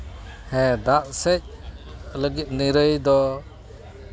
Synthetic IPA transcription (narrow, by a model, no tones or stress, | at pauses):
hɛ̃d̪aʔsɛc̚ləɡit̪̚niɾəjd̪ɔ